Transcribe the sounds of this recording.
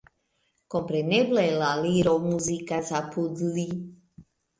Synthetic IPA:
kɔmpɾɛnɛblɛlaliɾomuzikazapud̪li

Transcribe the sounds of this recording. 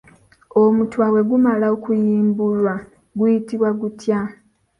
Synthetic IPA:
omutwawe̞ɡumalaokujiːmbulwa | ɡujitiβwaɡutja

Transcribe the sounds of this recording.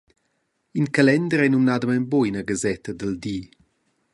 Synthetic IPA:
inkalɛnd̪əɾɛnumnad̪əmɛmboinəɡazɛt̪əd̪əld̪i

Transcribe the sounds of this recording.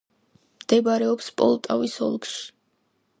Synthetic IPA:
md̪̥ɛbaɾɛɔpspʼɔ̰lˠt̪ʼavisɔ̰lˠkʃi̥

